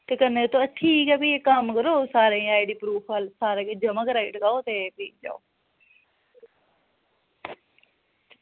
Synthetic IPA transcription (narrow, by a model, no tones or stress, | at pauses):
t̪ekənet̪oətʰiːkɛbiekamkəɾoːsaːɾeĩaːɪɖiːpɾuːpʰalsaːɾaːkeːd͡ʒəməkɾaːɪʈkaːoːt̪epiːk̚d͡ʒa̰ːo̰ː